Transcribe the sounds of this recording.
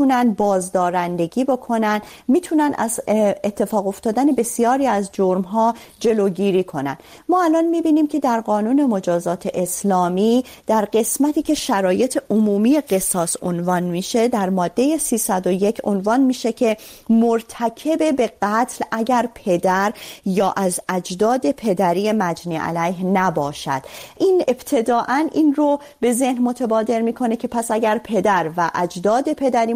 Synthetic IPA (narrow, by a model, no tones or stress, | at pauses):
unænd̪̚bɒːzd̪ɒːɾænd̪e̞ɟiːbo̞kʰo̞nænd̪ | miːt̪ʰunænd̪æ̰zet̪ʰːe̞fɒːɣo̞ft̪ɒːd̪æne̞be̞sijɒːɾiːæzd͡ʒoɾmɦɒː | d͡ʒe̞loːɟiːɾiːkʰo̞næ̰n | mɒːælɒnmiːbiːniːmcʰe̞d̪æɾɢɒːnuːne̞mo̞d͡ʒɒːzɒːt̪ʰe̞ʔeslɒːmiː | d̪̥æɾɢe̞smæt̪ʰiːcʰe̞ʃæɾɒːje̞t̪ʰe̞ʔomuːmije̞ɢe̞sɒːsonvɒːnmiːʃe̞d̪æɾmɒːd̪ːe̞jesiːsæd̪o̞je̞cʰo̰nvɒːnmiːʃe̞cʰe̞moɾt̪ʰæcʰe̞be̞be̞ɢæt̪ʰlʔæɟæɾpʰe̞d̪æɾjɒːʔæzæd͡ʒd̪ɒːd̪e̞pʰe̞d̪æɾiːjemæd͡ʒniːʔæ̰læjɦnæbɒːʃæ̰d̪̥ʔiːne̞bt̪ʰe̞d̪ɒːʔænʔiːnro | be̞ze̞hnmo̞t̪ʰebɒːd̪e̞ɾmiːkʰo̞ne̞cʰe̞pʰæsæɟæɾpʰe̞d̪æɾvæʔæd͡ʒd̪ɒːd̪e̞pʰe̞d̪æɾiː